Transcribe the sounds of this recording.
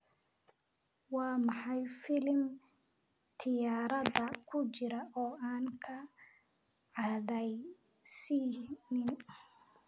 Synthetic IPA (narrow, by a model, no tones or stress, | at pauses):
wɑːmɑħɑjfɪlm | t̪ʰɪjaːɾɐðɐkʰʊt͡ʃɪɾɐʔɔːʔaːŋkʰɐ | ʕɑðɛj | siːnɪn